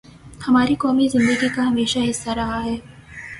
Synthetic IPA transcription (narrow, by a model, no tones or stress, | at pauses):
hɐmaːɾikɔːmizɪ̃nd̪əɡikaɦɐmeːʃaɦɪsːaɾɐɦaɦɛː